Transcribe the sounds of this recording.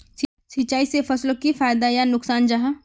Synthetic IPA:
s | sɐt͡ʃːaːisefɐslokifaːjd̪ajanʊksaːnd͡ʒaɦa

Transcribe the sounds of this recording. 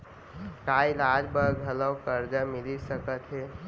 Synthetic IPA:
kaːilaːd͡ʒbəɾɡʱələwkəɾd͡ʒamɪlisəkət̪ɦɛː

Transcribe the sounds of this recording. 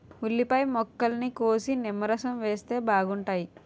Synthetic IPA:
ulːipɐjmɔkːɐlɐnikoːsinimːɐɾɐsɐmʋeːst̪e̞ːbʱaːɡuɳʈaːji

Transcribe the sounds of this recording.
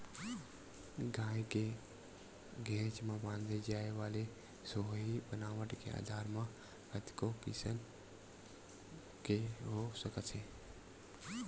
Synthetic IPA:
ɡãːke | ɡʱẽːt͡ʃmãbãːnd̪ʱed͡ʒaːeʋaːle | soɦibənaːʋəʈkḛa̰ːd̪ʱaːɾmã | ət̪kokḭːsən | keɦosəkət̪seː

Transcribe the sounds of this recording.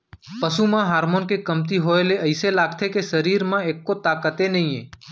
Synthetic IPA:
pəsumãɦaːɾmonkekəmt̪iɦoeleʔəɪselaɡt̪ʰekesəɾiɾmãekːot̪aːkət̪enəɦĩẽ

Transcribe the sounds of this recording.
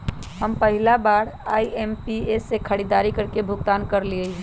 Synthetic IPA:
həmpəɦɪlabaːɽaːiempiesːekʰəɽid̪aɾikəɾkebʱʊɡt̪aːnkəɾliəi

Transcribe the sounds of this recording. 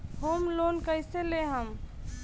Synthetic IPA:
homlonkəɪseleɦəm

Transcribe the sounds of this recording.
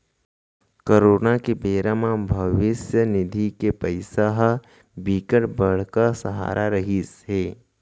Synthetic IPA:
kəɾoːnakebeːɾamãbʱɐʋɪsjənɪd̪ʱikepəɪsaɦ | biːkəʈbəɽ̤kasɐɦa̰ːɾʔaɾɐɦisɦeː

